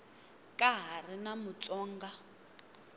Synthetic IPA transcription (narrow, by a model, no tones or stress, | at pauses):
kʼaɦarinamut͡sʼɔːŋɡa